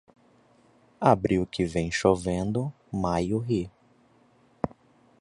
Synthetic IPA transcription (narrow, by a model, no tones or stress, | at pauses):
abɾiʊkɪvẽj̃ʃovẽnd̪ʊ | majʊɦi